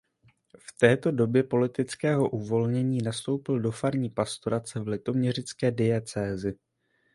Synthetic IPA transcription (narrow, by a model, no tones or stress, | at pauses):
ft̪ɛːt̪o̞do̞bjɛpo̞lɪt̪ɪt͡skɛːɦo̞ʔuvo̞lɲɛɲiːnast̪o̞wpɪldo̞faɾɲiːpast̪oɾat͡sɛvlɪt̪o̞mɲɛr̝ɪt͡skɛːdɪɛt͡sɛːzɪ